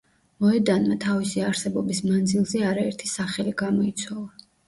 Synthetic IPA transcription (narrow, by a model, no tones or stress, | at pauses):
mɔɛd̪anmat̪ʰavisiaɾsɛbɔbismand̪zilˠzɛaɾaɛɾt̪ʰisaχɛliɡamɔit̪sʰwalˠa